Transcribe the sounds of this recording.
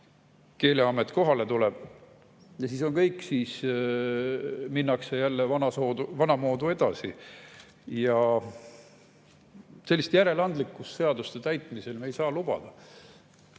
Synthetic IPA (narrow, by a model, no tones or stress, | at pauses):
ke̞ːleɑmːet̪ːˑko̞ɦɑle̞t̪uleb̥ | jɑsiːso̞ŋkɤjkːˑsiːs | minːɑksejælːevɑnɑsod̪uvɑnɑmo̞ːd̪ue̞d̪̥ɑsi | jɑ | selːist̪jæɾe̞lɑnd̪likːˑust̪se̞ɑd̪ust̪et̪æjt̪ˑmise̞lmejsɑːlub̥ɑ̰d̪̥ɑ